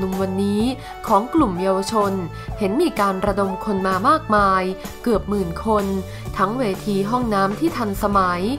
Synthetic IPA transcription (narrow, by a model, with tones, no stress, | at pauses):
nu˧mwa˧nːiː˦˥ | kʰɔː˩˦ŋklu˨˩mjaː˧wa˧t͡ɕʰo˧n | he˩˦nmiː˧kaː˧nɾa˧do˧mkʰo˧nmaː˧maː˥˩k̚maː˧j | kɯ˨˩əp̚mɯː˨˩nkʰo˧n | t̪ʰa˦˥ŋweː˧t̪ʰiː˧ɦɔ˥˩ŋnaː˦˥mt̪ʰiː˥˩t̪ʰa˧nsa˧ma˩˦j